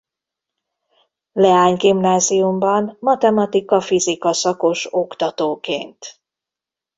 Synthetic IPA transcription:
lɛaːɲɡimnaːzijumbɒnmɒt̪ɛmɒt̪ikɒfizikɒsɒko̞ʃo̞kt̪ɒt̪oːkḛːnt̪

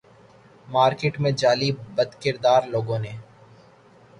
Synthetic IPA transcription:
maːɾkɪʈmẽd͡ʒaːlibɐd̪kɪɾd̪aːɾloːɡõneː

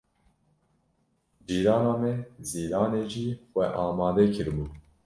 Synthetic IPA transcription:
biːɾɑːnɑːmɛziːɾɑːneːʒiːxwɛ̰ʔɑːmɑːd̪ɛkʰɨɾbuː

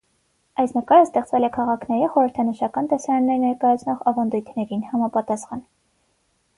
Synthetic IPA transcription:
ɑjsnəkɑɾəst̪ɛχt͡svɛlɛkʰɑʁɑkʰnɛɾiχɔɾəɾt̪ʰɑnəʃɑkɑnt̪ɛsɑɾɑnːɛɾnɛɾkɑjɑt͡sʰnɔʁɑvɑnd̪ujt̪ʰnɛɾinhɑmɑpɑt̪ɑsχɑn

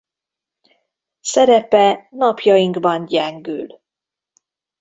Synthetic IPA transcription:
sɛɾɛpɛnɒpjɒjiŋɡbɒnɟɛŋɡyl

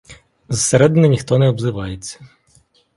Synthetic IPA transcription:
zɐseɾɛd̪ɪnʲɪnʲixt̪ɔnɛɔbzɪʋɑjet͡sʲːɐ̥

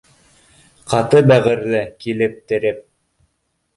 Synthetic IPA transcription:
qɑt̪ɤbæʁɘ̆ɾlɘkilɘp̚t̪ɘ̆ɾɘp̚

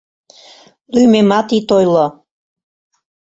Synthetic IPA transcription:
lymemɑt̪it̪ojlo

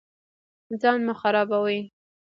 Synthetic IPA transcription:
zɑnmʊxaɾɑbawi

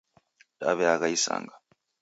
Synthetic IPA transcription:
daβeakaisa̰ːŋɡḁ

